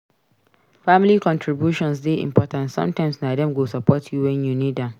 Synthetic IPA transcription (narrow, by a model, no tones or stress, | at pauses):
famɪlikɔ̃ntʰɾibjuʃɔ̃nsdeʔɪ̰̃mpʰɔtãntsɔ̰̃mtãɪ̃msnadɛ̃mɡosapʰɔtʰjuwɛ̃njunidãm